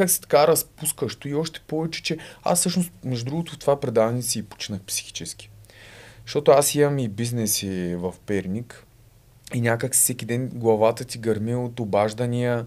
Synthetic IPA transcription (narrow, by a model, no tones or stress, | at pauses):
kaksi̥t̪ɐ̥kaɾɐspuskəʃt̪oiɔʃt̪ɛ̥pɔvɛt͡ʃɛ̥t͡ʃɛa̰sːɤʃnost̪mɛʒud̪ɾuɡot̪ʊft̪ovapɾɛd̪avnisiːpo̥t͡ʃinəxpsi̥xi̥t͡ʃɛskʲi̥ | ʃt̪ɔt̪ʊasimɐmibiznɛsivɐfpɛɾnʲik | inʲakəksi̥sɛkʲid̪ɛnɡlˠɐvat̪ət̪iɡɐɾmiot̪obaʒd̪ənʲijə